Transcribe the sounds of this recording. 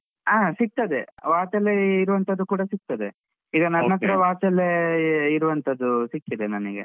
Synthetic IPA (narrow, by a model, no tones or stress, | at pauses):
aːsik̚t̪ɐd̪eʋaːt͡ʃɐlːeiɾuʋɐnt̪ʰɐd̪ːukuːɽɐsik̚t̪ɐd̪e | iːɡɐnɐnːɐt̪ɐɾɐʋaːt͡ʃɐlːeiɾuʋɐnt̪ʰɐd̪ːusikːid̪enɐniɡḛ